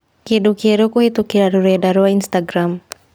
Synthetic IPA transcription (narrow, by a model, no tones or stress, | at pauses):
kidukiɾukuhit̪ukiɾaɾuɾuadaɾuainst̪aɡɾam